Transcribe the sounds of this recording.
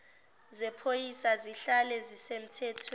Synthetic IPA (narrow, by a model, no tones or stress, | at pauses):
zɛpʰojisaziɬalɛzisem̩tʰɛːtʰwɛ